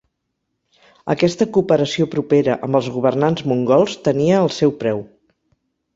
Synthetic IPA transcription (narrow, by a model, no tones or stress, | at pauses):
ə̰kɛst̪əkupəɾəsiopɾupeɾəʔəmbəlˠzɣuβ̞ərnanzmuŋɡɔlˠst̪əniəːlˠsɛwpɾɛw